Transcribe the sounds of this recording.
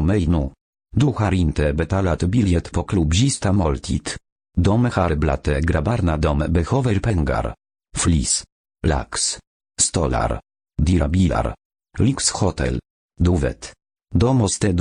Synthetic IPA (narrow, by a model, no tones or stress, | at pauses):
mɛjnu | d̪uxaɾint̪ɛbɛt̪alat̪biljɛt̪pɔklubʑist̪amɔlt̪ʲʰit̪ | d̪ɔmɛxaɾɛbla̰t̪ɛɡɾabaɾnad̪ɔmbɛxɔvɛɾpɛŋɡa̰ɾ | flḭs | la̰ks | st̪ɔla̰ɾ | d̪iɾabʲila̰ɾ | liksxɔt̪ɛ̰l | d̪uvɛ̰t̪ | d̪ɔmɔst̪ɛd̪